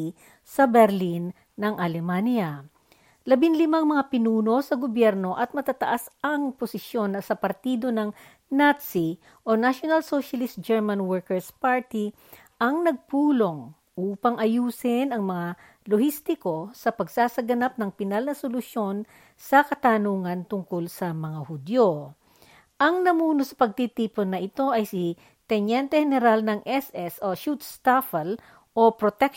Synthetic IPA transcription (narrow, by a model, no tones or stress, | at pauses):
sɐbɛɾlinː | ɐŋʔɐlɛmanja | lɐbɪnlɪmaŋmɐŋapɪnuːno̞sɐɡobjɛɾno̞ʔɐt̪̚mɐt̪at̪ɐʔasɐŋposɪsjo̞nːɐsɐpɐɾt̪iːd̪o̞nɐŋ | nat̪si | ʔo̞naʃjonɐlsoʃɐlɪst̪̚d͡ʒɛɹmanwɛɹkɛɹspaɹt̪i | ʔɐŋnɐɡ̚puːlo̞ŋ | ʔuːpɐŋʔɐjuːsɪnɐŋmɐŋa | lohist̪ɪko̞sɐpɐɡsaːsɐɡɐnap̚nɐŋpɪnalnɐsolʊsjo̞n | sɐkɐt̪anuːŋɐnt̪ʊŋkolsɐmɐŋahʊd̪jo | ʔɐŋnɐmuːnosɐ̥pɐɡ̚t̪it̪iːponːɐʔɪt̪o̞ʔɐjsi | t̪ɛnjɛnt̪ɛhɛnɛɾalnɐŋʔɛsɛsoʃut̪st̪afɐl | ʔo̞pɾot̪ɛk